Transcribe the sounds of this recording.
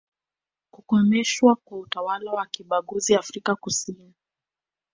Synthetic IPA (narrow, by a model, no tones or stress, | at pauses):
kukɔmɛʃwakwautawalawakiɓaɠuziafɾikakusini